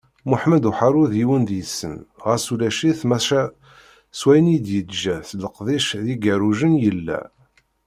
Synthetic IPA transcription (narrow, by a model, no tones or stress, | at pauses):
muħməd̪uħaɾˤʊðiwənd̪jəsːə̰nʁəsulæʃiθmæʃæ | swæjənid̪jəd̪ʒæθləqðˤiʃðiɡæɾuʒənjəlːæ̰